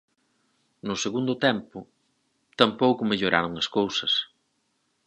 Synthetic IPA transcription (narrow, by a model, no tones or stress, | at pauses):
nʊseɣund̪ʊt̪ɛmpʊ | t̪ɐmpowkʊmeʎoɾa̰ɾʊŋɐskowsɐs